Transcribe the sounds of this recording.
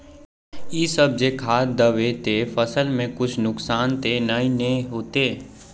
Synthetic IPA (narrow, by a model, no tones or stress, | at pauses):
isəb̚d͡ʒekʰaːtd̪əʋeːt̪efəsəlmẽkʊt͡ʃʰnʊksaːnt̪enəĩneɦoːt̪eː